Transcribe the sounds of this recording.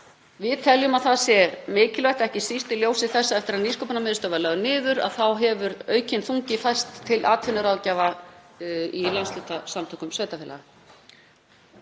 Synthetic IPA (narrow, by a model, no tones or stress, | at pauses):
vɪðt̪ʰɛljʏmaðθasjɛmɪːcɪlvajht̪ɛhcɪsist̪ɪljowsɪθɛsːaɛft̪ɪɾaðniskowpɪnamɪːðʏst̪œvalaɣʏnɪːðʏɾa̰ðθawɦɛvʏɾœːɥcɪnθuŋcɪfajst̪ʰːɪlʔaːt̪fɪnːʏɾaːwðcaːva | ilanslʏːt̪asamt̪ʰœhkʏmsveːjt̪afɛːla̰ɣa